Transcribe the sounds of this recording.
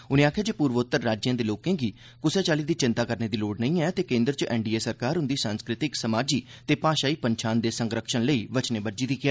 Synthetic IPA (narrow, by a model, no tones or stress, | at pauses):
ʊnẽːaːkʰjaːd͡ʒeːpuːɾʋot̪ːəɾːaːd͡ʒjãːd̪eːloːkẽːɡiː | kʊsɛːt͡ʃaːliːd̪iːt͡ʃɪ̃nt̪aːkəɾneːd̪iːloːɖnəĩːɛːt̪eːkẽːnd̪ɾət͡ʃəʔɛːɳɖiːeːsəɾkaːɾʊ̃nd̪iːsãːnskɾɪt̪ɪksəmaːd͡ʒiːt̪eːpaːʃaːiːpəɲt͡ʃʰaːnd̪eːsə̃ŋɡɾəkʰʃənləiːʋət͡ʃneːbəɾd͡ʒiːd̪iːkʰɪɛː